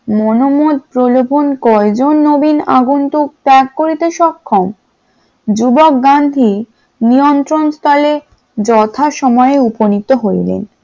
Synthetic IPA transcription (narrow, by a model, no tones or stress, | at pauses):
monomod̪̚pɾolopʰonkɔed͡ʑonːobinaɡunt̪uk̚tɛkːoɾit̪eʃɔkʰːom | d͡ʑubok̚ɡand̪ʱi | nijont̪ɾonst̪ɔle | d͡ʑɔt̪ʰaʃɔmɔeeuponit̪ːoɦoilḛn